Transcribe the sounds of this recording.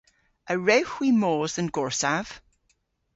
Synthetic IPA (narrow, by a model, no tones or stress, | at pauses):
əɹɛwxwimoːzənɡɔɹsav̥